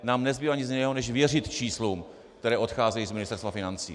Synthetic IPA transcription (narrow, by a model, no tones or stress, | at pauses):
naːmnɛzbiːvaɲɪzjɪnɛːɦonɛʃvjɛr̝ɪt̪t͡ʃiːsluːm | k̚t̪ɛɾɛːʔo̞t̪xaːzɛjiːzmɪnɪst̪ɛɾst̪vafɪnant͡sḭː